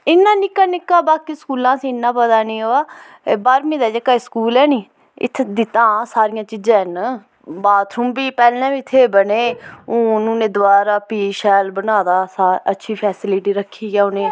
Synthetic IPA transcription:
ɪnːãːnɪkːaːnɪkːaːbaːkiːskuːlãːsĩːɪnːãːpəd̪aːnĩːɦoːaː | baːɾmĩːd̪aːd͡ʒəkːaːskuːlɛːnĩː | ɪ̰t̪ʰd̪ɪt̪ãːsaːɾɪjãːt͡ʃiːd͡ʒãːɦn | baːt̪ʰɾʊmbiːpɛːlnɛ̃ːiːɪt̪ʰːeːbəneːõːnũːnẽːd̪ʊaːɾaːpiːʃɛːlbənaːd̪aːsaːətːʃʰiːpʰɛːsɪlɪʈiːɾəkʰːiːɡaːʊnẽː

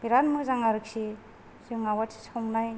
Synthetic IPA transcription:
b̥iɾanmɯzaŋaɾɯk̚si | zɯŋawatʰi̥sɔŋnaj

